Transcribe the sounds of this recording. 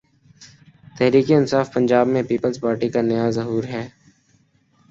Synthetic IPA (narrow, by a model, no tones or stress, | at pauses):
t̪ɛɦɾiːkeɪnsaːfpɐ̃nd͡ʒaːbmẽpiːpəlzpaːɾʈikanɐjazɐɦuːɾɦɛː